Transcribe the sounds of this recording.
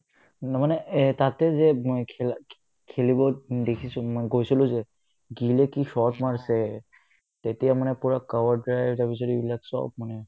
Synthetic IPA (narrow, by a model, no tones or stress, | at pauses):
namanet̪at̪ezekʰel | kʰelibɔd̪ekʰisumɡojsiloze | ɡilekiʃɔt̪maɹse | t̪et̪ɛjamanɛpuɹakawaɹdɹajbtabisɔɾibilaksɔ̰bmanɛ